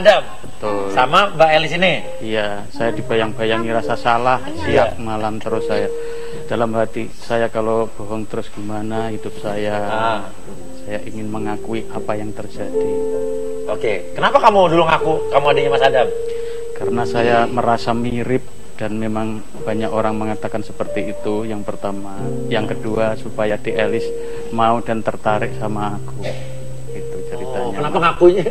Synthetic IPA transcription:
dambət̪ʊlsamabaɛlisini | ija | sajadibajaŋbajaŋiɾasasalahsiiak̚malamt̪əɾʊsaja | d̥alamɦat̪i | sajakalob̥oɦɔŋt̪əɾʊsɡ̥imanahidʊp̚saja | sajaʔiŋɪnməŋakuiʔapajaŋt̪ərd͡ʒadi | okekənapakamudulʊŋakukamuadaɲamasadam | kaɾənasajaməɾasamiɾɪp̚ | d̥anmemaŋ | baɲakoɾaŋməŋat̪akansə̥pərt̪iːt̪ujaŋpərt̪ama | jaŋkəduasupajadiʔelɪs | maudant̪ərt̪aɾɪʔ̚samaːku | ɡit̪ut͡ʃəɾit̪aɲanapaŋakuɲa

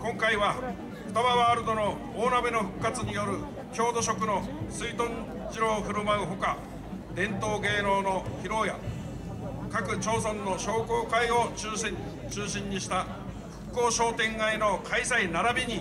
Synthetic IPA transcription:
kõ̞ŋkaiβa | ɸɯ̟̥t̪abaβaːɾɯd̪o̞no̞ | oːnabeno̞ɸɯ̟̥kːat͡sɨɲ̟ijo̞ɾɯ̟ | kʲo̞ːd̪o̞ɕ̬o̞kɯ̟no̞sɨit̪õ̞ɲ | d͡ʑiɾo̞ːɸɯ̟ɾɯ̟maɯ̟ɦo̞ka | d̪ẽ̞nt̪o̞ːɡe̞ːɾo̞ːno̞çiɾo̞ːja̰ | kakɯ̟t͡ɕo̞ːs̬õ̞nːo̞ɕo̞ːko̞ːkaio̞ | t͡ɕɨːɕĩɲ̟ːiɕi̥t̪a | ɸɯ̟̥kːo̞ːɕo̞ːt̪ẽ̞ŋɡaino̞kʰaisainaɾabʲiɲ̟i

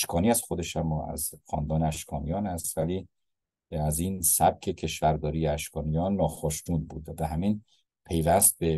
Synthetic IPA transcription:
ʃkʰɒːniæz̥xod̪e̞ʃæmːɒːæ̰zxɒ̰ːnd̪ɒːneæʃkʰɒːnijɒːnhæst̪væliː | æziːnsæb̥̚cʰe̞cʰe̞ʃvæɾd̪ɒːɾijeæʃkʰɒːnijɒːnːɒːxɒːʃt̪uːnbuːd̪væɦæmiːn | pʰe̞jvæst̪̚be

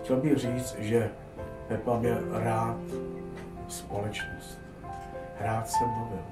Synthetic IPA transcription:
xcʲɛlbɪxriːt͡s̪ʒɛ | pɛt̪labjɛɾaːt̪ | spo̞lɛt͡ʃnost̪ | ɦɾaːt̪sɛbuvɛ

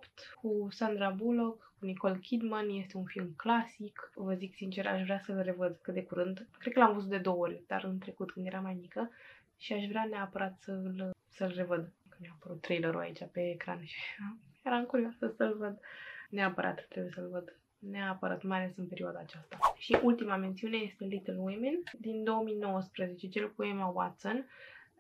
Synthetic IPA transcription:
pt̪kusand̪ɾabulo̞kkuniko̞lkʲid̪manje̞st̪e̞unfilmklasikvəziksint͡ʃe̞ɾa̰ʃvɾʲeasəlre̞vəd̪kɨt̪d̪ekuɾɨnd̪kɾe̞t̪kəlamvusd̪ed̪o̞wəorʲd̪̥a̰rɨnt̪ɾe̞kut̪̚kɨnd̪je̞ɾamajmikə | ʃiaʃvɾeaneapəɾat̪səl | səlre̞vəd̪kɨmiaːpəɾut̪ːɾejləɾṵa̰it͡ʃape̞ːkɾanʃiajeɾaɨŋkuɾioasəsəlvəd̪neapəɾʔa̰t̪t̪ːɾebujesəlvəd̪ | neapəɾa̰t̪majale̞sɨnpe̞ɾioad̪aːt͡ʃast̪aʃiʔult̪imame̞nt̪siune̞je̞st̪e̞lit̪əlwimend̪ind̪o̞wəmino̞wəspɾəze̞t͡ʃe̞t͡ʃelkuemawa̰t̪sən

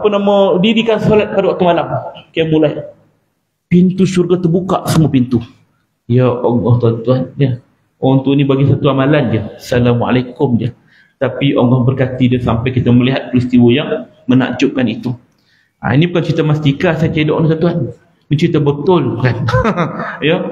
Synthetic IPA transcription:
apənamə̃diɾikansolat̪̚padawak̚t̪umalamkajamulaj | pint̪usurɡat̪ərbuka̰ʔsəmuəpint̪u | ijəʔoŋɡɔht̪uant̪uanjə | ɔnt̪unibaɡisat̪uamaland͡ʒiəsalamwaa̰lajkʊmdiə | t̪apiʔoŋɡɔhbərkat̪idəsampajkit̪aməliɦat̪̚pɾist̪iwəjaŋ | məna̰ʔd͡ʒʊʔ̚kanit̪u | a̰inibukant͡ʃɾit̪amast̪ikasajt͡ʃedɔʔnisant̪uan | mət͡ʃɾit̪abət̪ʊlkan | jə

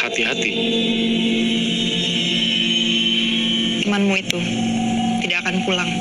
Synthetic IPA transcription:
hat̪iɦat̪i | t̪əmanmuit̪u | t̪idaʔakanpulaŋ

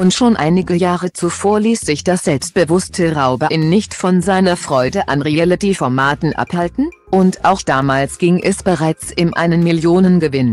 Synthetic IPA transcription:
ʔʊntʃoːnʔa̰ɪnɪɡəjaːʁət͡sufoːɐliːsz̥ɪçd̥asz̥ɛlpst̚b̥əvʊstʰəʁaʊbəʔɪnnːɪçtfɔnzaɪnɐfʁ̥ɔʏdəʔanʁiɛlətifɔɐmaːtn̩ʔa̰phaltn̩ʔʊntʔaʊxd̥aːmaːlsɡ̥ɪŋʔɛsb̥əʁaɪt͡sʔɪnʔa̰ɪnənmɪljoːnənɡəvɪn

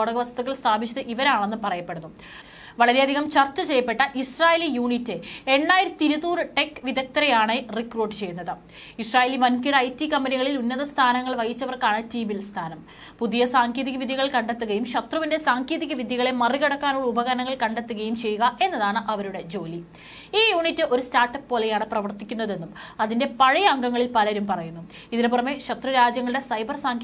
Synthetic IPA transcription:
oɽɐɣɐʋɐst̪uɣɐɭst̪ʰaːbʱit͡ɕːɐðɨʔiʋɐɾaːɳenːɨpɐrɐjɐpːe̞ɽunːu | ʋɐɭɐɾeɐd̪ʱiɣɐmt͡ɕɐrt͡ɕːɐt͡ɕe̞jːɐpːe̞ʈːɐʔisraːjelijuːɳitːɨe̞ɳːaːjiɾt̪iɾuðuːrɨʈe̞kːʋid̪ɐk̚t̪ɐɾɐjaːɳerikruːʈːt͡ɕe̞jːunːɐðɨ | israːjeːliʋɐnkiɽɐjtːikɐmbɐniɣɐɭilunːɐðɐst̪ʰaːnɐŋːɐɭʋɐjit͡ɕːɐʋɐrkaːɳɨtiːmilst̪ʰaːnɐm | puðijɐsaːŋkʰeːðiɣɐʋid̪ʱjɐɣɐɭkɐɳɖet̪ːuɣɐjumɕɐt̪rɐʋinde̞saːŋkʰeːðiɣɐʋid̪ʱjiɣɐɭemɐriɣɐɽɐkːaːnoɭɐubɐɣɐɐnɐŋːɐɭkɐɳɖet̪ːuɣɐjumt͡ɕe̞jːuɣɐʔe̞nːɐðaːɳɨʔɐʋɐɾuɽe̞d͡ʑo̞ːli | iːjuːɳitːɨʔo̞ɾustaːrʈːɐppoːlejaːɳɨprɐʋɐrt̪ikʲːun̪ːɐðe̞nːumɐðinde̞pɐɻɐjɐɐŋɡɐŋːɐɭilpɐlɐɾumpɐrɐjunːu | iðineporɐmːe̞ɕɐt̪rɐɾaːd͡ʑjɐŋːɐɭɽe̞sɐjbɐrsaːŋ

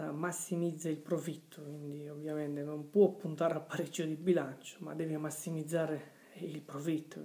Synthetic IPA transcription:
amasːimid̪zːailpɾofit̪ʰːɔkind̪iovjamɛnt̪ɛnɔmpwɔpːunt̪aːɾapːaɾid͡ʒːɔd̪ibilant͡ʃɔ̥ma̰d̪ɛːvimasːimid̪zːaːɾɛ | ilpɾovit̪ːɔ

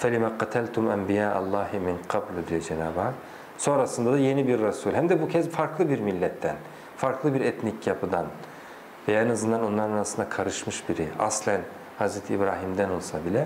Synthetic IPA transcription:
fɛlʲimaqɑt̪ʰælʲt̪ʰumæ̰mbijaːʔa̰lˠːɑːhimiɴqʰɑblʲd̪ijod͡ʒɛnaːbak | so̞nɾasɯnd̪ad̪aje̞nibiɾːasulʲɦæmd̪ɛbucʰɛzfaɾklˠɯbiɾmilʲːɛt̪ʰːɛn | faɾklˠɯbiɾɛt̪nicʰjapʰɯd̪an | vɛjanɯzɯnd̪anonlˠaɾɯnaɾasɯnd̪akʰaɾɯʃmɯʃbiɾia̰slʲæn | hazɾɛt̪ʰiːbɾaːɦimd̪ænolˠsabilʲɛ

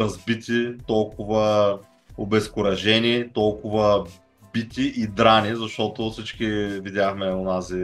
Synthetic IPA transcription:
ɐzbit̪it̪ɔlˠkʊvə | obɛskʊɾɐʒɛnit̪ɔlˠkʊvə | bit̪iʔid̪ɾanizɐʃt̪ɔt̪ʊfsit͡ʃkivid̪ʲjaxmɛonazi

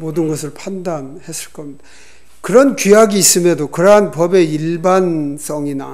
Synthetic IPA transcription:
modɯnɡʌsʰɯɭpʰandanhe̞sʰɯɭk͈ʌmd̥a | kɯɾʌnkiaɡiːs͈ɯmjʌdokɯɾʌɦanpʌbe̞iɭbans͈ʌŋina

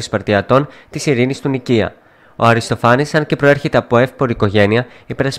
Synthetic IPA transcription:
ispɐɾt̪iɐt̪o̞nt̪isiɾinist̪uniciɐ̰ | o̞̰ɐɾist̪o̞fɐnisɐnce̞pɾo̞e̞ɾçe̞t̪e̞ɐpo̞e̞fpo̞ɾiko̞ʝe̞niɐ | ipe̞ɾɐs

